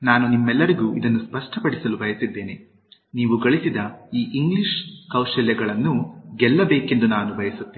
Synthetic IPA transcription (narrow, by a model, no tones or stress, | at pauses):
naːnunimːɛlːɐɾiɡuːʔid̪ɐnːuspɐʂʈʰɐpɐɽisɐlubʱɐjɐsid̪ːe̞ːne | niːʋuɡɐɭisid̪ɐiːʔiŋɡliʃkɐwʂɐljɐɡɐɭɐnːuɡɛlːɐbeːke̞nd̪unaːnubʱɐjɐsut̪ːeː